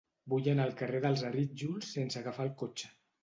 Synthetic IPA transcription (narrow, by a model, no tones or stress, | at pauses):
buʎənəlˠkəreðəlˠzariʒulˠsːensəɣafaəlˠkot͡ʃə̥